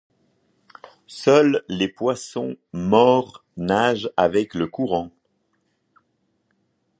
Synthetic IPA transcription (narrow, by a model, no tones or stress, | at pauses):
sœlːepwasɔ̃mɔʁnaʒavɛkləkuʁɑ̃